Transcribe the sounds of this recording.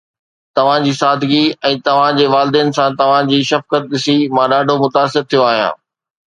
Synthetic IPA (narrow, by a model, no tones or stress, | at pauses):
t̪ɐʋ̤ãd͡ʑiːsaːd̪ʱɡiɛ̃ːt̪ɐʋ̤ãd͡ʑeːʋaːlɪd̪iənɪ̆sãt̪ɐʋ̤ãd͡ʑiːʃɐfkət̪̚ɗɪsimãːɗaːɖʱomʊt̪aːsɪɾt̪ʰijoaːɦijã̰ː